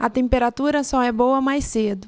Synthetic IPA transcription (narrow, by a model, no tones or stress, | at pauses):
ɐt̪ẽmpeɾat̪uɾɐsɔɛbowɐmajsed̪ʊ